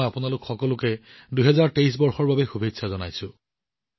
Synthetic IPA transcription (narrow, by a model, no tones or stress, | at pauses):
japʊnalʊkxɔkɔlʊkɛ | duɦɛzaɹteis̬bɔɹxɔɹbabɛxubʱidsʰazɔnajsʊ̃